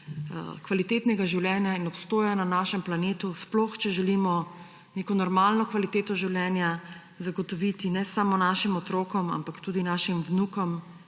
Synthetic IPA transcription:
kʋalit̪eːt̪nɛɡaʒiwljɛːnjainɔpst̪oːjananaːʃɛmplaneːt̪usplɔxt͡ʃɛʒɛlimɔ | neːkɔnɔɾmaːlnɔkʋalit̪eːt̪ɔʒiwljɛːnja | zaɡɔt̪ɔʋit̪inɛsamɔnaʃimɔt̪ɾoːkɔma̰mpakt̪uːd̪inaːʃimwnukɔm

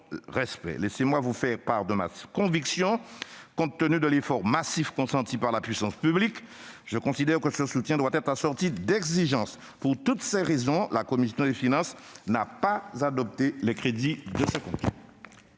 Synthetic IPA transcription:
ʁɛspɛ̰lesemwavufɛʁpaʁd̪əma̰kɔ̃viksjɔ̃kɔ̃t̪ːənyd̪əlefɔʁmasifkɔ̃sɑ̃t̪ipaʁlapɥisɑ̃spyblik | ʒəkɔ̃sid̪ɛʁkəsəsut̪jɛ̃d̪wat̪ɛt̪χasɔʁt̪id̪ɛɡziʒɑ̃s | puʁt̪ut̪sɛʁezɔ̃lakɔmisjɔ̃d̪efinɑ̃snapazad̪ɔp̚t̪elɛkχed̪id̪əsɛkɔ̃t̪ɛ

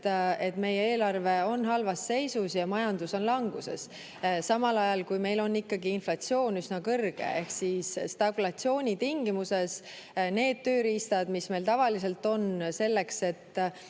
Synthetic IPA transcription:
e̞t̪ːme̞jeeːlɑrve̞o̞nɦɑlvɑsːe̞jsusjɑmɑjɑnd̪̥uso̞nlɑŋɡ̥use̞̰s | sɑmɑlɑjɑlkujme̞jlo̞nːikːɑɡiinflɑt̪sio̞ːnysnɑkɤrɡ̥ḛe̞hksiːsst̪ɑkulɑt̪sio̞ːnʲit̪iŋɡ̥imuse̞s | ne̞ːd̪̥̚t̪øːɾist̪ɑd̪misme̞lt̪ɑvɑlis̬e̞lt̪ːo̞nse̞lːe̞kse̞t̪ː

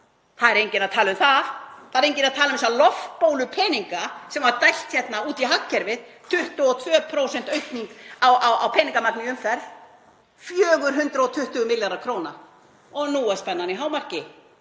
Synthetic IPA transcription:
θaðɛɾejɲcɪnaðt̪ʰaːlʏmθaðθaðɾejɲcɪnaðt̪ʰaːlʏmsalɔftpowlʏpʰɛːniŋkasɛmvaɾt̪ajl̥t̪çɛt̪nauːt̪iɦakːɛɾvɪðt̪ʰʏht̪ʏɔt̪ʰvœːpʰɾowsɛnt̪œɥt̪niŋkawawa̰wpʰɛːniŋkamak̪̚nɪʏmfɛɾð | fjœːɣʏɾ̥ɦʏnt̪ɾaɔt̪ʰʏht̪ʏɣʏmɪljaɾaɾkʰɾoːwna | ɔɣnuːaspɛnːaniɦaːwmar̥cɪ

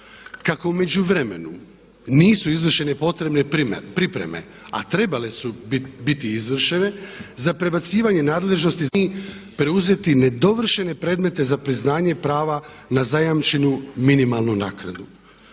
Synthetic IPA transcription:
kako̞ume̞d͡ʒuʋɾe̞me̞̰nṵ | niːsuizʋr̩ʃe̞ne̞po̞t̪ɾe̞bnepɾipɾe̞̰me̞̰ | a̰t̪ɾe̞bale̞subit̪iizʋr̩ʃe̞ne̞zapɾe̞bat̪siːʋaɲe̞naːd̪le̞ʒno̞st̪iipɾe̞uze̞t̪ine̞d̪o̞ʋr̩ʃe̞ne̞pɾeːd̪me̞t̪e̞zapɾiznaːɲe̞pɾaːʋa | nazajamt͡ʃenuminimalˠnunaːkna̰d̪u

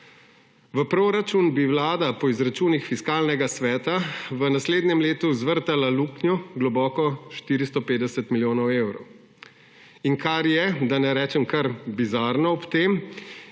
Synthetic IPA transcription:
ʋəpɾoɾat͡ʃunbiwlaːd̪apɔizɾat͡ʃuːnixfiskaːlnɛɡasʋɛːt̪aʋənasleːd̪nʲɛmleːt̪uzʋəɾt̪alaluknjɔɡlɔbɔːkɔʃt̪iːɾist̪ɔpeːd̪ɛsɛt̪miljoːnɔwewɾɔw | iŋkaɾjɛd̪anɛɾɛːt͡ʃɛmkaɾbizaɾnɔɔpt̪eːm

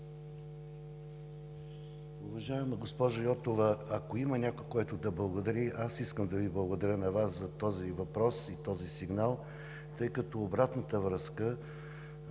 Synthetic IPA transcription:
uvɐʒaɛməɡospɔʒojɔt̪ovəɐkoimənʲakojkɔjt̪ʊd̪ɐblˠɐɡod̪ɐɾiʔasiskəmd̪ɐviblˠɐɡod̪ɐɾʲənɐvaszɐt̪ɔzivɐpɾɔsit̪ɔzisiɡnalˠ | t̪ɤjkɐt̪ɔːbɾat̪nət̪əvɾəskə

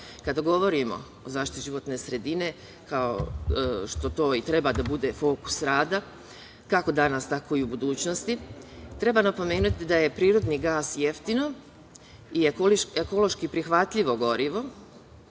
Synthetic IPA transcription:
kad̪aɡo̞ʋo̞ɾimo̞̰ | ozaːʃt̪it̪iʒiʋo̞t̪ne̞sɾe̞d̪ine̞ | kao̰ | ʃt̪o̞t̪o̞ːit̪ɾe̞bad̪abud̪e̞fo̞ku̥sɾaːd̪a | kako̞d̪anast̪ako̞iubud̪uːt͡ɕnost̪it̪ɾe̞banapo̞me̞ːnut̪id̪aje̞pɾiːɾo̞d̪niɡaːsje̞ft̪ino̞ | iolekolo̞ʃkipɾixʋat̪ʎʲiʋo̞ɡo̞ɾiʋo̞

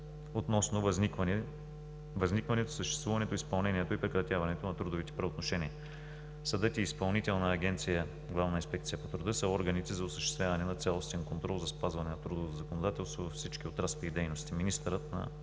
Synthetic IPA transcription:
ot̪nɔsnovnvn | vɐznikvɐnɛt̪o̥səʃt̪ɛst̪vuvɐnɛt̪oispɐlˠnɛniɛt̪oipɾɛkɾɐt̪javɐnɛt̪onɐt̪ɾud̪ovit̪ɛ̥pɾɐot̪noʃɛniə | sɐd̪ɤt̪iːspɐlˠnit̪ɛlˠnɐːɡ̟ʲɛnt̪sijə | ɡlˠavnəinspɛk̚t̪sijəpot̪ɾʊd̪ɤsəɔɾɡɐnit̪ɛzɐosə̥ʃt̪ɛst̪vʲjavɐnɛnɐt̪sʲalˠost̪ɛnkont̪ɾɔlˠzɐspazvɐnɛnɐt̪ɾud̪ovot̪zɐkonod̪at̪ɛlˠst̪vovɐfsit͡ʃkiot̪ɾaslɛid̪ɛjnost̪iminist̪əɾət̪nɐ̰

